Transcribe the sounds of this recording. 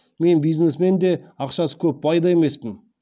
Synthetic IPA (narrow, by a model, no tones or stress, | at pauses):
me̞nbijznesme̞nd̪e̞ɑqʃɑsə̥kʲʰɵp̚bɑjd̪ɑe̞me̞spɪn